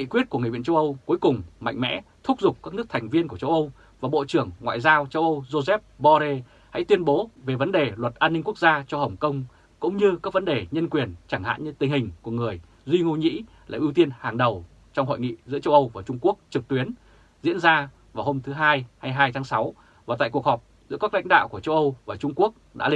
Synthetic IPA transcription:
kḭ˧˨kwi˦˥ət̚ku˧˩ŋ˨˩vḭ˧˨t͡ɕə˧wʔə˧wku˨˦əjkʊ˨˩ŋ͡mma̰˧˨jŋ̟mɛ̰˧˥t̪ʰʊ˦˥k͡p̚zʊ˨˩k͡p̚kaː˦˥knɨ˦˥ək̚t̪ʰa˨˩ŋ̟vi˧ənk̬u˧˩ət͡ɕə˧wʔə˧w | vaː˨˩ɓo̰˧˨t͡ɕɨ˧˩əŋːwa̰ː˧˨jzaː˧wt͡ɕə˧wʔə˧wzo˧zɛ˦˥p̚ɓɔ˧ze˧ | ha̰˧˥jt̪wi˧ənɓo˨˦ve˨˩və˨˦nɗe˨˩lwə˨˩t̚ʔaː˧nːi˧ŋ̟ku˦˥ək̚zaː˧t͡ɕɔ˧hə˨˩wŋ͡mkə˧wŋ͡m | kʊ̰˧˥ŋ͡mɲɨ˧kaː˦˥k̚və˨˦nɗe˨˩ɲə˧nkwi˨˩ənt͡ɕaː˧˩ŋha̰ː˧˨nɲɨ˧t̪ï˨˩ŋ̟hï˨˩ŋ̟ku˧˩əŋɨ˨˩əj | zwi˧ŋo˧ɲḭ˧˥ | la̰ː˨˩ʔi˧wt̪i˧ənhaː˨˩ŋɗə˨˩w | t͡ɕɔ˧wŋ͡mho̰˧˨jŋḭ˧˨zɨ̰˧˥ət͡ɕə˧wʔə˧wvaː˨˩t͡ɕʊ˧ŋ͡mku˦˥ək̚t͡ɕɨ˨˩k̚t̪wi˨˦ən | zḭ˧˥ənzaː˧ | vaː˨˩who˧mt̪ʰɨ˨˦ɦaː˧jha˧jɦaː˧jt̪ʰaː˨˦ŋsa˨˦w | vaː˨˩t̪a̰ː˧˨ku˨˩ək̚hɔ˨˩p̚zɨ̰˧˥əkaː˦˥k̚la̰˧˥jŋ̟ɗa̰ː˧˨wku˧˩ət͡ɕə˧wʔə˧wvaː˨˩t͡ɕʊ˧ŋ͡mku˦˥ək̚ɗa̰ː˧˥l

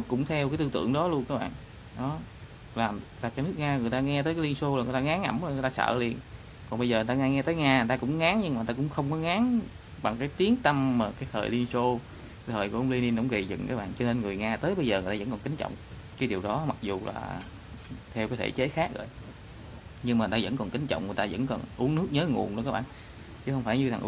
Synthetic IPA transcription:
kʊ̰˧˥ŋ͡mt̪ʰɛ˧wk̬a˨˦jt̪ɨ˧t̪ɨ̰˧˨əŋɗɔ˨˦lu˧ənkaː˦˥ɓa̰ː˧˨ŋ | ɗɔ˨˦ | laː˨˩mlaː˨˩kaː˨˦nɨ˦˥k̚ŋaː˧ŋɨ˨˩əjt̪aː˧ŋɛ˧t̪əː˨˦jkːaː˨˦li˧nso˧a˨˩ŋɨ˨˩t̪aː˧ŋaː˨˦ŋʔa˧˩mzjŋ˨˩jt̪aː˧sə̰ː˧˨li˧ən | kɔ˨˩nɓə˧jzəː˨˩˨t̪a˧ŋaː˧ŋɛ˧t̪əː˨˦jŋaː˧˨˩t̪aː˧kʊ̰˧˥ŋ͡mŋaː˨˦ŋɲɨ˧ŋm˨˩a˧kʊ̰˧˥ŋ͡mxə˧wŋ͡mkɔ˨˦ŋaː˨˦ŋ | ɓa˨˩ŋkaː˨˦jt̪i˨˦əŋt̪ə˧mmaː˨˩kaː˨˦jt̪ʰəː˨˩jli˧ənso˧˨˩ | t̪ʰəː˨˩jku˧˩˦ʔwŋ͡mli˧ni˧nkɔ̰˧˥wŋ͡mɣe˨˩zɨ̰˧˨ŋkaː˨˦k̚ɓa̰ː˧˨nt͡ɕɔ˧ne˧nŋɨ˨˩əjŋaː˧t̪əː˨˦jɓə˧jzəː˨˩ɨ˨˩t̪aː˧ə̰˧˥nkɔ˨˩nkï˨˦ŋ̟t͡ɕɔ̰˧˨wŋ͡m | kaː˨˦jɗi˨˩əwɗɔ˨˦ma˨˩k̚zu˨˩la̰ː˨˩ | t̪ʰɛ˧wkaː˨˦jt̪ʰḛ˧˩t͡ɕe˨˦xaː˦˥k̚zo̰˨˩j | ɲɨ˧ŋma˨˩t̪aː˧zə̰˧˥nkɔ˨˩nkï˨˦ŋ̟t͡ɕɔ̰˧˨wŋ͡mŋɨ˨˩jt̪aː˧zə̰˧˥nkɔ˨˩nʔu˨˦ənɨ˦˥k̚ɲəː˨˦ŋṵ˨˩ənɗṵ˧˥kaː˦˥k̚ɓ̰ːn | t͡ɕɨ˨˦xə˧wŋ͡mfaː˧˩jɲɨ˧t̪ʰa˨˩ŋʔ

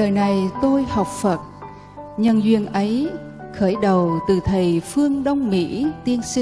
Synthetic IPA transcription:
ɗəː˨˩jna˨˩jt̪o˧jha˨˩wk͡p̚fə˨˩t̚ | ɲə˧nzwḭ˧˨ənʔə˨˦j | xəː˧˩jɗə˨˩wt̪ɨ˨˩t̪ʰə˨˩jfɨ˧əŋɗə˧wŋ͡mmḭ˧˥t̪i˧ənsi˧

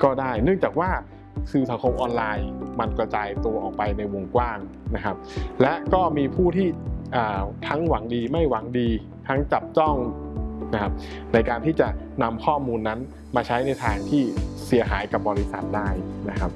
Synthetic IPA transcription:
kɔː˥˩daː˥˩jnɯ˥˩əŋt͡ɕaː˨˩k̚waː˥˩ | kʰɯː˧sa˩˦ŋkʰo˧mʔɔː˧nlaː˧jma˧nka˧t͡ɕaː˧jt̪u˧ɐʔɔː˨˩k̚pa˧jna˧jwo˧ŋkwaː˥˩ŋ | na˦˥kʰa˦˥p̚lɛ˦˥ʔkɔː˥˩miː˧pʰuː˥˩t̪ʰiː˥˩ʔaː˨˩t̪ʰa˦˥ŋwa˩˦ŋdiː˧ma˥˩jwa˩˦ŋdiː˧ | t̪ʰa˦˥ŋt͡ɕa˨˩p̚t͡ɕɔ˥˩ŋna˦˥kʰa˦˥p̚ | na˧jkaː˧nt̪ʰiː˥˩t͡ɕa˨˩ʔ | na˧mkʰɔː˥˩muː˧nːa˦˥n | maː˧t͡ɕʰa˦˥jna˧jt̪ʰaː˧ŋt̪ʰiː˥˩si˩˦əɦaː˩˦jka˨˩p̚bɔː˧li˦˥sa˨˩t̪̚daː˥˩jna˦˥kʰa˦˥p̚

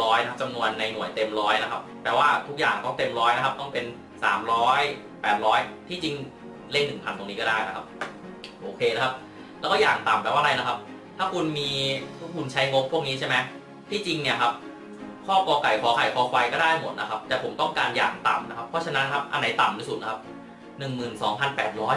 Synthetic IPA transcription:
ɔː˦˥jna˦a˦˥p̚t͡ɕa˧mnu˧ənːa˧jnu˨˩əjt̪e˧mɾɔː˦˥jna˦˥kʰa˦˥p̚ːɛː˨˩waː˥˩t̪ʰu˦˥k̚jaː˨˩ŋt̪ɔ˥˩ŋt̪e˧mɾɔː˦˥jna˦˥kʰa˦˥p̚t̪ɔ˥˩ŋpe˧n | sa̰ː˩˦mɾɔː˦˥j | pɛː˨˩t̪̚ɾɔː˦˥jt̪ʰiː˥˩t͡ɕi˧ŋ | le˥˩nːɯ˨˩ŋpʰa˧nt̪o˧ŋniː˦˥kɔː˥˩daː˥˩jna˦˥kʰa˦˥p̚ | ʔoː˧˩kʰeː˧na˦˥kʰa˦˥p̚ | lɛː˦˥kɔ˥˩jaː˨˩ŋt̪a˨˩mpɛː˨˩waː˥˩˧ɾa˧jna˦˥kʰa˦˥p̚ | t̪ʰaː˥˩kʰu˧nmiː˧t̪ʰu˦˥˩kʰu˧nt͡ɕʰa˦˥jŋo˦˥p̚ʰːu˥˩ək̚niː˦˥t͡ɕʰa˥˩jma˦˥ | t̪ʰiː˥˩t͡ɕi˧ŋni˥˩ɐkʰa˦˥p̚ | kʰɔː˥˩kɔː˧ka˨˩jkʰɔː˩˦kʰa˨˩jkʰɔː˨˩˦kʰwa˧jkɔː˥˩daː˥˩jmo˨˩t̪̚na˦˥kʰa˦˥p̚t̪ɛː˨˩pʰo˩˦mt̪ɔ˥˩ŋkaː˧nja̰ː˨˩ŋt̪a̰˨˩mna˦kʰa˦˥pʰːɔ˦˥t͡ɕʰa˧na˦˥nkʰa˦˥p̚ʔa̰˧nda˨˦jt̪a˨˩mt̪iː˥˩su˨˩t̪̚na˦˥a˦˥p̚ | nɯ˨˩ŋmɯː˨˩nsɔː˩˦ŋpʰa˧npɛː˨˩t̪̚ɾɔː˦˥j

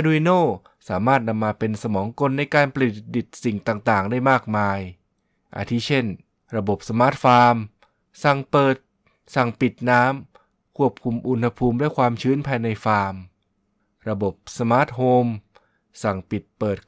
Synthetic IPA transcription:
ʔa˧du˧wi˧noː˥˩ | saː˩˦maː˥˩t̪̚na˧mːaː˧pe˧nsa˧mɔː˩˦ŋko˧nːa˧jkaː˧npa˧li˨˩t̪̚di˨˩t̪̚si˨˩ŋt̪aː˨˩ŋt̪aː˨˩ŋdaː˥˩jmaː˥˩k̚maː˧j | ʔa̰˨˩t̪ʰiː˥˩t͡ɕʰe˥˩n | ɾa˧bo˨˩p̚sa˧maː˦˥t̪̚faː˧m | sa˨˩ŋpɤː˨˩t̪̚ | sa˨˩ŋpi˨˩t̪̚naː˦˥m | kʰu˥˩əp̚kʰu˧mʔu˧nha˧pʰuː˧mlɛ˦˥˩kʰwaː˧mt͡ɕʰɯː˦˥npʰaː˧jna˧jfaː˧m | ɾa˧bo˨˩p̚sa˧maː˦˥˩t̪̚hoː˧m | sa˨˩ŋpi˨˩t̪̚pɤː˨˩t̪̚

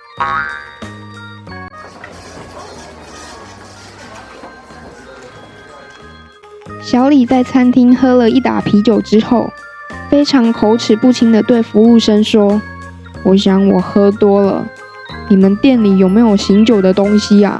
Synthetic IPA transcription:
ɕjɑ˧˥ʊli˨˩t͡sa˥˩ɪt͡sʰa˥nt̪ʰi˥ŋxɤ˥lə˨i˥˩t̪a̰˨˩pʰi˧˥t͡ɕjo˨˩ʊʈ͡ʂɻ̩˦xo˥˩ʊ | fe˥ɪʈ͡ʂʰɑ˧˥ŋkʰo˧˥ʊʈ͡ʂʰɻ̩˨˩pu˥˩t̪ʰi˧˥ŋd̪ə˨t̪we˥˩ɪfu˧˥u˥˩ʂə˥nʂwɔ˥ | wɔ˧˥ɕjɑ˧˥˦ŋwɔ˨˩xɤ˥t̪wɔ˥lə̰˨ | ni˨˩mə˨˦nt̪jɛ˥˨nli˨˩jo˨˩ʊme˧˥ɪjo˨˩ʊɕi˧˥ŋt͡ɕjo˨˩ʊd̪ə˨t̪o˥ŋɕi˧ɐ̰˨

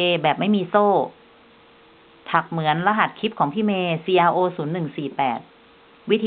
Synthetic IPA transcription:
eː˧bɛː˨˩p̚ma˥˩jmiː˧soː˥˩ | t̪ʰa˨˩k̚mɯ˩˦ənla˧ɦa˨˩t̪̚kʰi˦˥p̚kʰɔː˩˦ŋpʰiː˥˩meː˧siː˧ʔaː˧ʔoː˧suː˩˦nːɯ˨˩ŋsiː˨˩pɛː˨˩t̪̚ | wi˦˥t̪ʰː

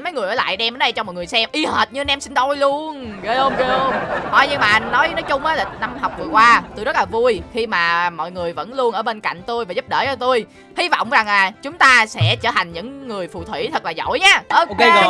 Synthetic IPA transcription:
mə˨˦jŋɨ˨˩əjəː˧˦la̰ː˧˨jɗɛ˧mʔəː˨˦nɗə˧jt͡ɕɔ˧mɔ˨˩ŋɨ˨˩əjsɛ˧mʔi˧həː˨˩t̚ɲɨ˧nɛ˧msï˧ŋ̟t̪ɔ˧jlu˧ənɣə˨˦hə˧mzə˧ə˧mhɔ̰˧˨˩jɲɨ˧ŋmaː˨ʔa˧jŋ̟nɔ˨˦jəː˨˦nɔ˨˦jt͡ɕʊ˧ŋ͡mʔaː˨˦la˨˩na˧mɦa˨˩wk͡p̚vɨ˨˩əkwaː˧t̪o˧jzə˦˥t̚laː˨˩vu˧jxi˧maː˨˩mɔ̰˧˨jŋɨ˨˩əjvə̰˧˥nlu˧ənʔəː˧˩ɓeː˧nka̰˧˨jŋ̟t̪o˧jvaː˨˩zu˦˥p̚ɗəː˧˩t͡ɕɔː˧˩t̪u˧j | hi˧vɔ̰˧˨wŋ͡mza˨˩ŋlaː˨˩t͡ɕʊ˨˦ŋ͡mt̪aː˧sɛ̰˧˥t͡ɕəː˧˩tʰa˨˩ŋ̟ɲɨ̰˧˥ŋːɨ˨˩əjfṵ˧˨t̪ʰwḭ˧˩t̪ʰə˨˩k̚laː˨˩zo̰˧˨jɲaː˨˧ʔo˧k

